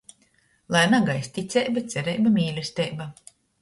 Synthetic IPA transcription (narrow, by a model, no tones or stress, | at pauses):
lˠajnaɡajsʲt̪ʲit̪sʲɛjbat̪sʲɛɾɛjbamʲiːlʲɛst̪ʲɛjba